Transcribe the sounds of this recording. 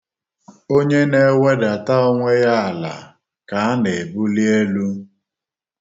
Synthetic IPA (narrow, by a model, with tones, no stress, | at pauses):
o˦ɲe˦ne˦˨˦we˦da˨ta˦o˦ŋʷe˦ja˦a˨la̰˨ | ka˨a˦nɪ˨bu˦li˦e˦lu˦